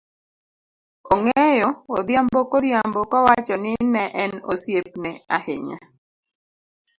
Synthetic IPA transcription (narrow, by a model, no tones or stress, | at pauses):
oŋɛjɔod̪jambokoɾjambokɔwat͡ʃɔnɪnɛʔɛnosjep̚nɛa̰hɪ̰ɲa̰